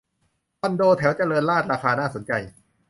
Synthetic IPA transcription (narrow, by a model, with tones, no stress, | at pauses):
wɔ˧ndoː˧t̪ʰɛ˩˦wt͡ɕa˨ɾɤː˧nlaː˥˩t̪̚ɾaː˧kaː˧naː˥˩so˩˦nt͡ɕa˧j